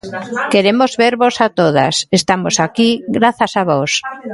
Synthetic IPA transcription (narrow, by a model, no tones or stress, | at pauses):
keɾemozβeɾβosat̪oða̰sest̪amosakiɣɾaθasaβɔs